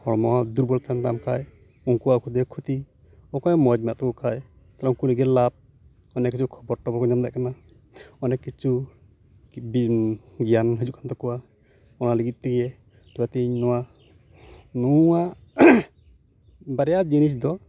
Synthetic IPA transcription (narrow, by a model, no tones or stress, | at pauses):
hɔɽmɔad̪uɾbɔlt̪and̪amkʰaj | uŋkuwakʰud̪ɛkʰut̪i | ɔkajmɔd͡ʒmɛaʔt̪ɔkɔkʰaj | t̪alɛukuliɡɛlab̚ | ɔnɛkːit͡ʃʰukʰɔbɔɾʈːɔbɔkɔɲamd̪ɛʔkana | ɔnɛkːit͡ʃu | bɡijanɦid͡ʒuʔkʰant̪ɔkɔwa | ɔnaliɡit̪̚ˀt̪ɛɡɛ | ʈʰiwat̪iɲnɔwa | nuaʔ | baɾɛjad͡ʒinis̬d̪ɔ